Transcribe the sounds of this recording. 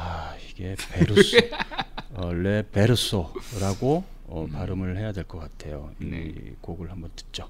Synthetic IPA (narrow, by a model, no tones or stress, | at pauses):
aiɡe̞peɾus | ʌɭe̞pe̞ɾus͈oɾaɡo | ʌpaɾɯmɯɭhe̞jadwe̞ɭk͈ʌk͈atʰe̞jo̰ḭmḭkoɡɯɭhambʌntɯ̥t̚t͡ɕ͈o